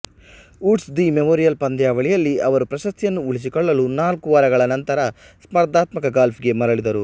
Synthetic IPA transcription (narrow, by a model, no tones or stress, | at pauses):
uːʈsd̪imemoːɾijɐlpɐnd̪jaːʋɐɭijɐlːiɐʋɐɾupɾɐʃɐst̪ʰijɐnːuːɭis̬ikɔɭːɐlunaːlkuʋɐɾɐɡɐɭɐnɐnt̪ɐɾɐ | smɐɾd̪aːt̪mɐkɐɡaːlpʰiɡe̞mɐɾɐɭid̪ɐɾu